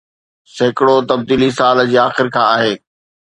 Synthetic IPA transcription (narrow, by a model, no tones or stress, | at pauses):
sɐɦɪkɪɽot̪ɐb̚d̪iːlisaːld͡ʑeːaːxɪɾkʰãːaːɦeː